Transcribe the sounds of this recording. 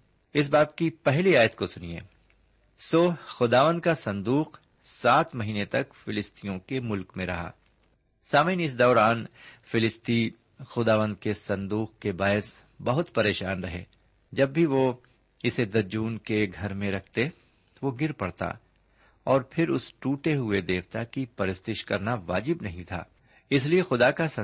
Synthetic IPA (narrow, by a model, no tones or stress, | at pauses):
ɪs̬baːb̚kipɛɦliaːjət̪kosʊniḛː | soːxʊd̪aːʋə̃nd̪kasɐ̃nd̪uːq | saːt̪mɐɦiːnet̪ɐkfɪlɪst̪ijõkemʊlkmẽɾɐ̰ɦa̰ː | saːmjnɪs̬d̪ɔːɾaːnfɪlɪst̪i | xʊd̪aːʋə̃nd̪kesɐ̃nd̪uːqkebaːɪs | bɐɦʊt̪pɐɾeːʃaːnɾɐɦḛː | d͡ʒɐbːʱiʋo | ɪsed̪ɐd͡ʒuːnkeɡʱɐɾmẽɾɐkʰt̪e | t̪oʋoɡɪɾpɐɽt̪a̰ | ɔːɾpʰɪɾʊ̰sʈuːʈeɦʊed̪eːʋt̪akipɐɾɪst̪ɪʃkɐɾnaʋaːd͡ʒɪbnɐɦĩt̪ʰa̰ː | ɪsliexʊd̪akasɐ